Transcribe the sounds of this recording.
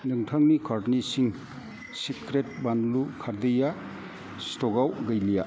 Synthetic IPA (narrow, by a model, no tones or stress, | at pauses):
nɯŋtʰaŋnikʰaɾnisiŋ | sikɾet̚banlukʰaɾd̪ɯja | stoɡawɡɐjlija̰